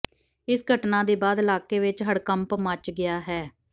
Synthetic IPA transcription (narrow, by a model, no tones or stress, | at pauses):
ɪsɡʱəʈnãːd̪eːbaːd̪ɪlaːkeːʋɪt͡ʃɦəɽkəmpmət͡ʃɡɪjaːɦɛː